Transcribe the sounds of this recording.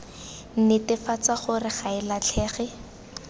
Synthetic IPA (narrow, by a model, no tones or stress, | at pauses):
n̩nɛtɪfat͡saχʊrɪχaɪlat͡ɬʰɛːχɛ